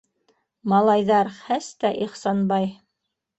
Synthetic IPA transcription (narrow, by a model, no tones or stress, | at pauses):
mɑlˠɑjðɑɾχæst̪æʔiχsɑnbɑj